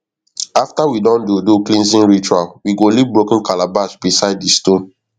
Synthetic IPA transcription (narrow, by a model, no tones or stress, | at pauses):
aftawidɔ̃ndudoklĩnsĩnɹit͡ʃualwiɡolibɹokĩnkalabasbisaɪd̚distõn